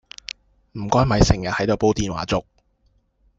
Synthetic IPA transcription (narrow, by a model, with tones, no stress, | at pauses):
m̩˨˩kɔː˥jmɐ˨˧jsɪ˨˩ŋjɐ˨hɐ˨˥jt̪o˨˧wpo˥wt̪iː˨˧nwa̰ː˨˩t͡sʊ˨k̚